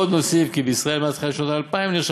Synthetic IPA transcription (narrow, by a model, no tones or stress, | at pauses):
od̪nosifkibeisʁaelmat͡s̪χialiʃnot̪alpaimliʃ